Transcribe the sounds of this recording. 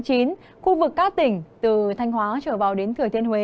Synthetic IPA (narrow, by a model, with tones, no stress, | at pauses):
t͡ɕi˨˦n | xu˧vɨ˨˩kːaː˦˥k̚t̪ï˧˩ŋ̟t̪ɨ˨˩t̪ʰa˧jŋ̟hwaː˨˦t͡ɕəː˧˩vaː˨˩wɗe˨˦nt̪ʰɨ˨˩ət̪ʰi˧ənhwe˨˦